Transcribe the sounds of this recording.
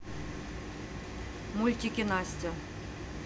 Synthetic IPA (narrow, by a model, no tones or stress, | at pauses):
mulʲtʲikʲenɑsʲtʲɘ̆